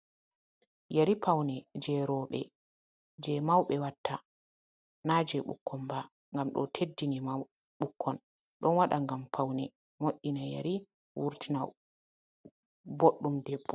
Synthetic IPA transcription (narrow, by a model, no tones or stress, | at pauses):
jaɾipʰawnɛd͡ʒɛɾɔɓɛ̰ | d͡ʒɛmawɓɛwatʰːa | nad͡ʒɛɓṵkʰːɔnba | ŋɡamɗɔ̰tʰedːinima | ɓukʰːɔn | ɗɔnwaɗaŋɡampʰawnɛ | moʔːinaja̰ɾi | wuɾtinaw | boɗːumdɛbːɔ